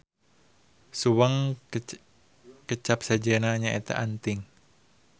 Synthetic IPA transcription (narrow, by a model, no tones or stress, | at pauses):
suwaŋ | kət͡ʃap̚sad͡ʒenaɲaɛt̪a̰ʔant̪ɪŋ